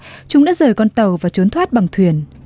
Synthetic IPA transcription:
t͡ɕʊ˨˧˦ŋ͡mɗa̰ː˧˦˥zəː˨˩jkɔ˧nt̪ə˨˩wvaː˨˩t͡ɕo˨˦nt̪ʰwaː˦˥t̚ɓa˨˩ŋt̪ʰwi˨˩ən

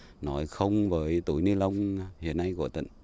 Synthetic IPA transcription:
nɔ˨˦jxə˧wŋ͡mvəː˨˦jt̪ṵ˧˩jnɨ˧lə˧wŋ͡mhḭ˧˨ənːa˧jkɔ̰˧˩˨t̪ḭ˧˨ŋ

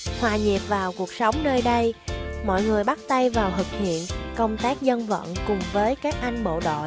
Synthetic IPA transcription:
hwaː˨˩ɲi˨˩p̚vaː˨˩wku˨˩ək̚sə˨˦wŋ͡mnəː˧jɗə˧jmɔ̰˧˨jŋɨ˨˩əjɓa˦˥t̚t̪a˧jvaː˨˩wɦ̪ɨ˨˩k̚hḭ˧˨ənkə˧wŋ͡mt̪aː˦˥k̚zə˧nvə̰˧˨nkʊ˨˩ŋ͡mvəː˨˦jkaː˦˥k̚ʔa˧jŋ̟ɓo̰˧˨ɗo̰˧˨

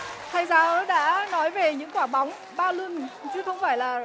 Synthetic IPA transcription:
t̪ʰa˧jzaː˧ʔɔ˨˦ɗa̰ː˧˥nɔ˨˦jve˨˩ɲɨ̰˧˥ŋkwaː˧˩ɓa˨˦wŋ͡m | ɓaː˧lwu˧ən˨t͡ɕɨ˨˦xə˧wŋ͡mfaː˧˩jlaː˨˩

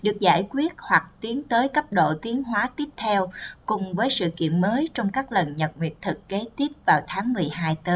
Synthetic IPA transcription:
ɗɨ˨˩ək̚za̰ː˧˩jkwi˦˥ət̚hwa˨˩k̚t̪i˨˦ənt̪əː˨˦jkə˦˥p̚ɗo̰˧˨t̪i˨˦ənɦwaː˨˦t̪i˦˥əp̚t̪ʰɛ˧wkʊ˨˩ŋ͡mvəː˨˦jsɨ̰˧˨kḭ˧˨ənməː˨˦jt͡ɕɔ˧wŋ͡mkaː˦˥k̚lə˨˩nɲə˨˩t̚ŋwḭ˨˩ət̚t̪ʰɨ˨˩kːe˨˦t̪i˦˥əp̚vaː˨˩wt̪ʰaː˨˦ŋmɨ˨˩əjɦaː˧jt̪əː˨˦j

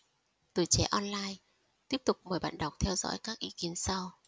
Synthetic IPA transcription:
t̪u˧˩t͡ɕɛ˧˩ʔɔ˧nlaː˧j | t̪i˦˥əp̚t̪ʊ˨˩k͡p̚məː˨˩jɓa̰ː˧˨nɗa˨˩wk͡p̚t̪ʰɛ˧wzɔ̰˧˥jkaː˦˥k̚ʔi˨˧˦ki˨˦ənsa˧w

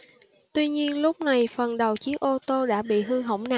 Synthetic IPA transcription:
t̪wi˧ɲi˧ənlʊ˦˥k͡p̚na˨˩jfə˨˩nɗə˨˩wt͡ɕi˦˥ək̚ʔo˧t̪o˧ɗa̰ː˧˥ɓḭ˧˨ɦɨ˧ɦə̰˧˩wŋ͡mna˨

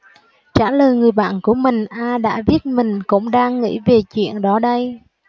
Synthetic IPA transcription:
t͡ɕaː˧˩ləː˨˩jŋɨ˨˩əjɓa̰ː˧˨nku˧˩əmï˨˩ŋ̟ʔaː˧ɗa̰ː˧˥vi˦˥ət̚mï˨˩ŋ̟kʊ̰˧˥ŋ͡mɗaː˧ŋːḭ˧˥ve˨˩t͡ɕwḭ˧˨ənɗɔ˨˦ɗə˧j

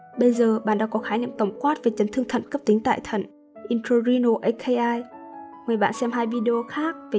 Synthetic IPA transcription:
ɓə˧jzəː˨˩ɓa̰ː˧˨nɗa̰ː˧˥kɔ˨˦xaː˨˦ɲḭ˧˨ə˨ŋt̪ə˧˩wŋ͡mkwaː˦˥t̚v̥e˨˩t͡ɕə˨˦nt̪ʰɨ˧əŋt̪ʰə̰˧˨nkə˦˥p̚t̪ï˨˦ŋ̟t̪a̰ː˧˨jt̪ʰə̰˧˩˨n | ʔi˧nt̪ʰo˧zi˧no˧ʔə˧kʰe˧jʔaː˧jŋɨ˨˩əjɓa̰ː˧˨nsɛ˧mɦaː˧jvi˧ɗi˧ʔo˧xaː˦˥k̚ve˨˩

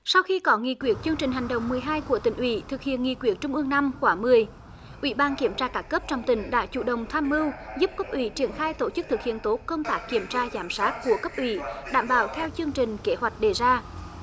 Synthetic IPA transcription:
sa˧wxi˧kɔ˨˦ŋḭ˧˨kwi˨˩ət̚t͡ɕɨ˧əŋt͡ɕi˨˩ŋ̟ɦa˨˩jŋ̟ɗə̰˨wŋ͡mmɨ˨˩əjɦaː˧jku˧˩ət̪ï˧˩ŋ̟ʔwḭ˧˦t̪ʰɨ˨˩k̚hḭ˧˨ənŋḭ˧˨kwi˧˩ət̚t͡ɕʊ˧ŋ͡mʔɨ˧əŋna˧mkwaː˧˦˩mɨ˨˩əj | ʔwḭ˧˩ɓaː˧nki˧˩əmt͡ɕaː˧kaː˦˥kːəː˦˥p̚t͡ɕɔ˧wŋ͡mt̪ï˨˩˦ŋ̟ɗa̰ː˧˥t͡ɕṵ˧˨ɗə˨˩wŋ͡mt̪ʰaː˧mːɨ˧wzu˦˥p̚kə˦˥p̚ʔwḭ˧˦t͡ɕi˨˧˩ənxaː˧jt̪o˧˩t͡ɕɨ˦˥t̪ɨ˨˩k̚hḭ˧˨ənt̪o˨˦˥t̚kə˧wŋ͡mt̪aː˦˥k̚kːi˧˩əmt͡ɕaː˧zaː˧˨˦msaː˦˥t̚ku˧˩əkə˦˥p̚ʔwḭ˧˩ɗaː˧˩mɓaː˧˨˩wt̪ʰɛ˧wt͡ɕɨ˧əŋt͡ɕï˨˩ŋ̟ke˨˦hwa˨˩jk̟̚ɗe˨˩zaː˧

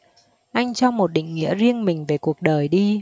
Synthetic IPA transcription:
ʔa˧jŋ̟t͡ɕɔ˧wmo˨˩t̚ɗḭ̈˧˨ŋ̟ŋḭ˧˥əzi˧ənmï˨˩ŋ̟ve˨˩ku˨˩ək̚ɗəː˨˩jɗi˧

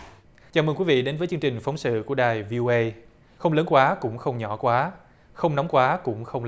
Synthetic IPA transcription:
t͡ɕaː˨˩məː˧nkwi˨˦vḭ˧˨ɗe˨˦nvəː˨˦jt͡ɕɨ˧əŋt͡ɕï˨˩ŋ̟fɔ˨˦wŋ͡msɨ̰˧˨ku˧˩əɗaː˨˩jvi˧ʔo˧ʔə˧j | xə˧wŋ͡mləː˨˦nkwaː˨˦kʊ̰˧˥ŋ͡mxə˧wŋ͡mɲɔ˧˩kwaː˨˦ | xə˧wŋ͡mnɔ˨˦wŋ͡mkwaː˨˦kʊ̰˧˥ŋ͡mxə˧wŋ͡m

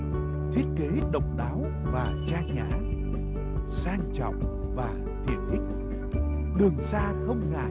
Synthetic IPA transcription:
t̪ʰi˦˥ət̚ke˨˦ɗə̰˨wk͡p̚ɗaː˨˦w | vaː˨˩t͡ɕaː˧ɲa̰ː˧˩j | saː˧ŋt͡ɕɔ̰˧˨wŋ͡m | vaː˨˩ | t̪ʰḭ˧˨ənɗï˦˥k̟̚ | ɗɨ˨˩əŋsaː˧xə˧wŋ͡mŋa̰˧˨

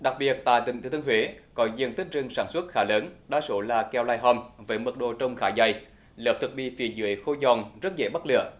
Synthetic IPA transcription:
ɗa˨˩k̚ɓi˨˩ət̚t̪a̰ː˧˨jt̪ï˧˩ŋt̪ʰːt̪ʰŋɦwe˨˦kɔ˨˦zɨ̰˨˧˨ənt̪ï˦˥k̟̚zɨ˧ŋsaː˧˩nswə˦˥t̚xaː˧˩ləː˨˦nɗa̰ː˧˥so˧˦laː˨˩kɛ˧˩wlaː˧jɦɔ˧˩mvəː˨˦jmɨ˨˩k̚ɗo˧˨t͡ɕə˧wŋ͡mxaː˧˩jza˧˩j | ləː˨˩p̚t̪ʰɨ˨˩k̚ɓḭ˧˨fḭ˨˧˩zɨ̰˧˩əjxo˧zɔ˨˩nzə˦˥t̚zḛ˧˩ɓa˦˥t̚lɨ̰˧˨ə

